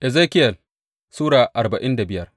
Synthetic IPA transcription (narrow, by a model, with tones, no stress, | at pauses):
ʔɛ˨zeː˦kʲɪ˦jɐ˨l | suː˦ɽaː˨ʔa˨rba˨ʔɪ˦nda˨bɪ˦jɐ˦r